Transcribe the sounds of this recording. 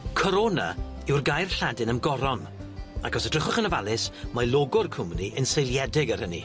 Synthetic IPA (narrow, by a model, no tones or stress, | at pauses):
kʰɔɾona̰ | ɪwrɡajrɬadɪnəmɡɔɾɔm | aɡɔsədrəχʊχənəvalˠɪsmajlˠoɡʊrkʰʊmniʔənsejlˠjɛdɪɡəɾənḭ